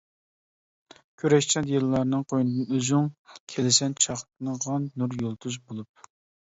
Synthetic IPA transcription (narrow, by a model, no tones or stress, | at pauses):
kʲʰøɾɛʃt͡ʃʰɑnjelˠːɑɾnɨŋqʰojnɨd̪ɨnøzyŋkʲʰelɪsɛnt͡ʃʰɑχt̪ʰɨnɨʁɑnnuɾjolˠt̪ʰuzbolˠup̚